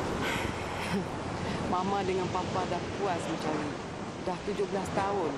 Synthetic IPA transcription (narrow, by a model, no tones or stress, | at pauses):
mamãdəŋanpapadahpuasəɲt͡ʃaɾi | daht̪ud͡ʒʊbəlast̪aʊn